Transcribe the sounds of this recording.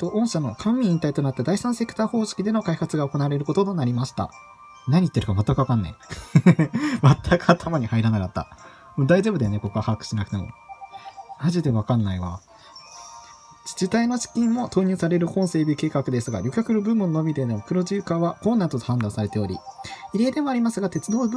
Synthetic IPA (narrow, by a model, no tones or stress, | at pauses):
t̪o̞ʔõ̞ɰ̃ɕano̞kʰãmmʲĩĩnt̪ait̪o̞nat̪ːad̪aisãɰ̃se̞kɯ̥t̪aːho̞ːɕi̥kʲid̪e̞no̞kaihat͡sɨɡaoko̞naːɾe̞ɾɯ̟ko̞t̪o̞nonaɾʲimaɕi̥t̪a̰ | naɲ̟it̪ːe̞ɾɯ̟kamat̪ːakɯ̟βakãnːa̰i | mat̪ʰːakɯ̟at̪ʰamaɲ̟ihaiɾanakat̪ːa̰ | mod̪aiʑo̞ːbɯ̟d̪ene̞ko̞koahakɯ̥ɕinak̟t̪emo̰ | maʑid̪eβakãnːaiβa | d͡ʑit̪aino̞ɕi̥kʲĩmːo̞t̪o̞ːɲ̟ɨːsaɾe̞ɾɯ̟hõ̞ɰ̃se̞ːbʲike̞ːkakɯ̟d̪e̞sɨɡa̰ɾʲo̞kʲakɯ̟nobɯ̟̃mːo̞nonobʲid̪e̞no̞pɯ̟ɾo̞ʑɨːkaːβakõ̞nːat̪ot̪ohãnd̪ãɰ̃saɾe̞t̪e̞o̞ɾʲiiɾe̞ːd̪e̞mo̞aɾʲimasɨɡat̪e̞t͡sɨd̪o̞ːb